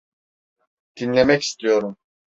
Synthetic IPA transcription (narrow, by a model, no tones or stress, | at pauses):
d̪̥inlʲemɛci̥st̪ʰijo̞ɾum